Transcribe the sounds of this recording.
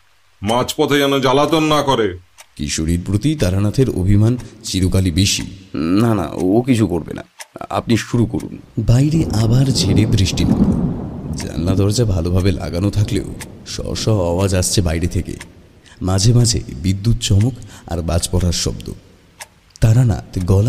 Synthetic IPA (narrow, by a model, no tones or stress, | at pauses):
mat͡ɕpɔt̪ʰekɛnod͡ʑalat̪onːakoɾekḭʃoɽiɾpɾot̪it̪aɾanat̪ʰeɾo̰bʱimant͡ɕiɾokalibeʃḭnana̰okit͡ɕʰukoɾbḛna̰a̰pniʃuɾukoɾṵnbajɾeʔabaɾd͡ʑʱeɽebɾiʃʈinḛboo̰d͡ʑa̰nlad̪ɔɾd͡ʑabʱalobʱabela̰ɡanot̪ʰaklḛoʃɔ̰ʃɔɦɔwad͡ʑaʃt͡ɕʰebajɾet̪ʰekḛ | mad͡ʑʱemad͡ʑʱḛbid̪ːut̪̚t͡ɕɔmoka̰ɾbad͡ʑpɔɾaɾʃɔ̰bd̪o̰ | t̪aɾana̰t̪ʰɡɔl